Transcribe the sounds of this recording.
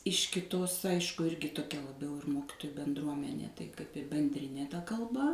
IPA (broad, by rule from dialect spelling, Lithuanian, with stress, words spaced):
ɪʃ kʲɪˈtoːs ˈɐɪʃkʊ ˈɪrʲɡʲɪ toːˈkʲɛ lˠɐˈbʲɛʊ ɪr ˈmoːkʲɪtoːjʊ bʲɛnˈdruɔmʲɛnʲeː tɐɪ kɐɪp ɪ bʲɛnʲˈdʲrʲɪnʲeː tɐ kɐlˠˈbɐ